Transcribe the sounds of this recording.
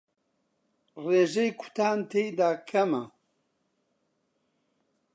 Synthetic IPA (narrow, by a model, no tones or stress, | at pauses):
reːʒejkʰʊ̥t̪ʰaːnt̪ʰejd̪aːkʰɐmɐ